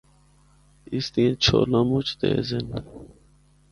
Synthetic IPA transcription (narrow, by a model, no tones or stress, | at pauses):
ist̪ĩẽt͡ɕʰo̰ːlamut͡ʃʰt̪ḛːzen